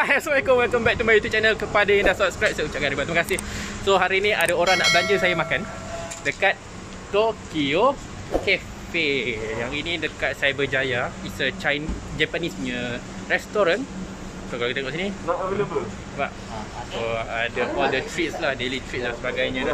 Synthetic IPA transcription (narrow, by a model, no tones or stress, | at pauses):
aɛsəmakɔwilkɔmbɛk̚t̪umbajut̪ut͡ʃɛnəlkəpadajãŋdahsɔp̚skɾajp̚saut͡ʃaʔkanɾibat̪iməkasɪhsoɦaɾinĩʔadaoɾaŋna̰ʔblaɲd͡ʒəsajamãkan | dəkat̪̚ | t̪okio | kɛ | fejaŋinĩdəkat̪̚sajabəd͡ʒajaisət͡ʃajnd͡ʒapanisɲə | rɛst̪oɾan | sokalakit̪aeŋɡɔʔsininɔilbə | ba̰ʔ | soadaɔldət̪ɾit̪̚slahdelit̪ɾit̪̚lasəbaɡajɲəda